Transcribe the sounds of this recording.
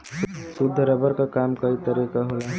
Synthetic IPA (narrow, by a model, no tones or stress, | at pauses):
sʊd̪ʱːəɾəbəɾkakaːmkəit̪əɾikaɦola